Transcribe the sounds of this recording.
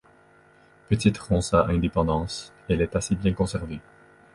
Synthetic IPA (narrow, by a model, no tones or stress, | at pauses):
pət̪it̪ʁɔ̃saʔɛ̃d̪epɑ̃d̪ɑ̃ːs | ɛlɛt̪asebjɛ̃kɔ̃sɛʁve